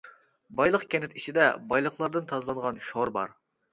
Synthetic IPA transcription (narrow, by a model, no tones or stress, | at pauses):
bɑjlˠəqkʲʰɛnɪt̪it͡ʃʰid̪ɛbɑjlˠəχlˠɑɾd̪ɨnt̪ʰɑzlˠɑŋʁɑnʃoɾbɑ̰ɾ